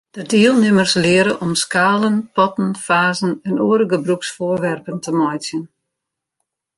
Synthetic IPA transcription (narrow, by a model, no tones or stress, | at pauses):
d̥ədiəlˠnɪmərslɪəɾəʔɔmskaːlənpɔtən̩faːzənɛnoːɾəɡəbruksfoərʋɛrpəntʰəmɔjt͡sjən